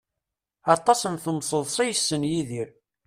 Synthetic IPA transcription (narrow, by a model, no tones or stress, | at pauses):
ɑt̪ˤːɑsənθəmsˤəðˤsˤijsːənjiðiɾ